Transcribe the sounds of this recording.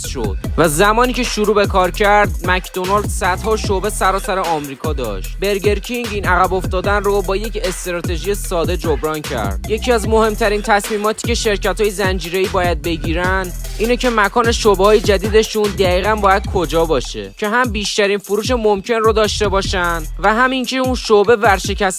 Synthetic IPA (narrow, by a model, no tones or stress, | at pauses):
sʃo̰d̪̥væzæmɒːniːcʰe̞ʃuɾuːbe̞kʰɒːɾcʰæɾd̪mæcd̪o̞nɑld̪sæd̪hɒːʃobe̞sæɾɒːsæɾeɒːmɾiːkʰɒːd̪ɒ̰ʃt̪be̞ɾɡe̞ɾcʰiŋɟiːnæɣæbo̞ft̪ɒːd̪ænrobɒːje̞ce̞st̪eɾɒːt̪ʰe̞ʒiːjesɒːd̪e̞d͡ʒobɾɒːncʰæ̰ɾd̪̥je̞cʰiæzmo̞he̞mt̪ʰæɾiːnt̪ʰæsmiːmɒːt̪ʰi̥ːcʰe̞ʃe̞ɾcæt̪hɒːjezænd͡ʒiːɾe̞iːbɒːjæd̪̚be̞ɟiːɾænd̪ | iːnecʰe̞mækʰɒːne̞ʃobehɒːje̞d͡ʒæd̪iːd̪e̞ʃund̪æiːɣænbɒːjæd̪̥̚kʰod͡ʒɒːbɒːʃe̞̰cʰe̞ɦæmbiːʃt̪æɾiːnfuɾuːʃ̬emomcʰe̞nrod̪ɒːʃt̪e̞bɒːʃænd̪væɦæmiŋcʰe̞unʃobe̞væɾʃe̞cʰæs